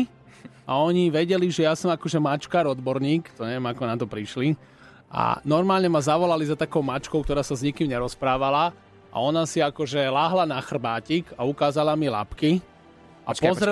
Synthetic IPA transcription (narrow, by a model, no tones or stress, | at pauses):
ʔaɔɲiʋɛɟɛliʒɛjasɔmakɔʒɛmat͡ʃkaːɾɔd̪bɔɾɲiːkt̪ɔɲɛʋɛmakɔnat̪ɔpɾiʃli | ʔa̰nɔɾmaːlɲɛmazaʋɔlalizat̪akɔʊmat͡ʃkɔʊkt̪ɔɾaːsazɲikimɲɛɾɔspɾaːʋala | ʔa̰ɔnasiakɔʒɛlaːɦlanaxr̩baːcikaukaːzalamila̰pki | ʔa̰pɔzɾɛ